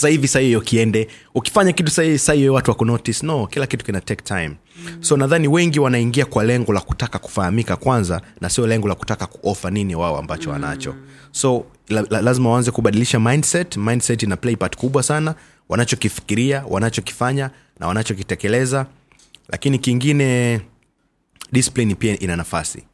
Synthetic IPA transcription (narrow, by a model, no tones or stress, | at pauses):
sahivisaiɔukiɛndɛuki̥faɲakitu̥saivisaiwɛwatuwakunɔtisnɔkilakitu̥kinatɛktʰajm | sɔnaðaniwɛŋɡiwanaiŋɡiakwalɛŋɡɔlaku̥takaku̥fahamikakwanzanasiɔlɛŋɡɔlaku̥takaku̥ʔɔfaniniwaɔa̰mbat͡ʃɔwa̰na̰t͡ʃɔ̰ | sɔ | lazimawaanzɛkuɓaɗiliʃamajndsɛtmajndsɛtinaplɛjpati̥kuɓwasana | wa̰nat͡ʃɔkifi̥kiɾiawʔa̰nat͡ʃɔki̥faɲa | na̰wanat͡ʃɔk̬itɛkɛlɛza | la̰kinikiŋɡinɛ | ɗisi̥plenipiaʔinanafasḭ